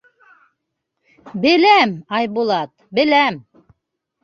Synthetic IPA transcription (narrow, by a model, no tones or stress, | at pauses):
bɘ̆læmɑjbulˠɑt̪̚bɘ̆læm